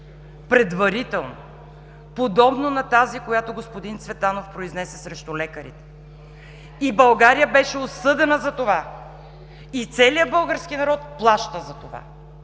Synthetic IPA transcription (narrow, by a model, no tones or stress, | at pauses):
pɾɛd̪vɐɾit̪ɛlˠno̰ | pod̪ɔbnonɐt̪azikojat̪oɡospod̪int̪svɛt̪anofpɾoiznɛsɛsɾɛʃt̪ulɛkəɾḭt̪ɛ̥ | ibɐlˠɡaɾijəbɛʃɛosɤd̪ɛnəzɐt̪ova | it̪sɛlijəbɤlˠɡəɾskinɐɾɔt̪̚plˠaʃt̪əzɐt̪ova̰